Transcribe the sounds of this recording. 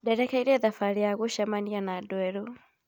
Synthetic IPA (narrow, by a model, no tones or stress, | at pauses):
dɛɾɛkaiɾɛðafaɾijaɣuʃamanianadwɛɾɔ